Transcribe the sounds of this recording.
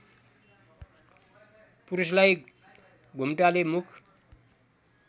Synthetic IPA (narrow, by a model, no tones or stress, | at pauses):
puɾuslaj | ɡʱumʈalemukʰ